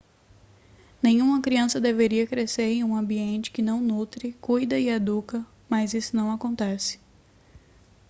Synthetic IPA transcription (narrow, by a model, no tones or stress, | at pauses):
nẽj̃ũmɐkɾiɐ̃sɐd̪eveɾiɐkɾeseɾẽj̃ũɐ̃mbiẽnt͡ʃɪ̥kɪnɐ̃w̃nut̪ɾɪkujd̪ɐɪad̪ukɐ | mɐzisʊnɐ̃w̃akõnt̪ɛsɪ̥